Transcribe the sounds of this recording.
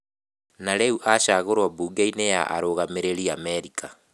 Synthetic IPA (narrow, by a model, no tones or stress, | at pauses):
naɾeuʔaʃaɣoɾwabuːɡeineja̰ʔa̰ɾoɣameɾeɾiamɛɾikʰa